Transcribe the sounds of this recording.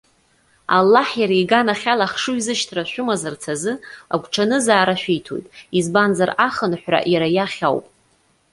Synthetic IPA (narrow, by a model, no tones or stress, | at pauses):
a̰lːaħjaɾaiɡanaχʲalaχʂuizɨʃtʰraʃʷᶣʊmazart͡sʰazɨa̰ɡʷʼʈ͡ʂʰanɨzaːɾaʃᶣijtʰo̞̰jtʼizbanzaraχənħʷra̰ʔjaɾajaχʲa̰wpʼ